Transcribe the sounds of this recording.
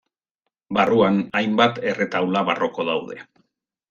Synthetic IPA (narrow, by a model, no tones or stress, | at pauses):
baruanajmbat̪e̞re̞t̪awlaβaro̞ko̞ðawðe̞̰